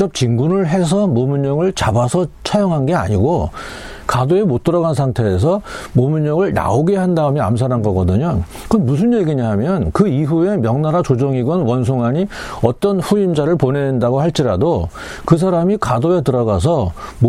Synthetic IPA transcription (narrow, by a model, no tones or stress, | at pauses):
t͡ɕʌp̚t͡ɕiŋɡunɯɭɦe̞s̬ʰʌmomuɲʌŋɯɭt͡ɕabasʰʌt͡ɕʰajʌŋɦanɡe̞a̰ɲiɡo | kadoe̞mot̚t͈ʌɾʌɡans̬ʰaŋtʰe̞ːs̬ʰʌmomuɲʌŋɯɭna̰oɡehandaɯmjea̰ms̬ʰaɾɦanɡʌɡʌdɯɲo | kɯʌnmus̬ʰɯnje̞ɡiɲiɦamjʌnkɯiɦue̞mjʌŋnaɾat͡ɕod͡ʑoŋiɡʌnwʌns̬ʰoŋɦaɲi | ʌt͈ʌnɸuimd͡ʑaɾɯɭponendaɡohaɭt͡ɕ͈iɾado | kɯs̬ʰaɾamikadoe̞tɯɾʌɡas̬ʰʌm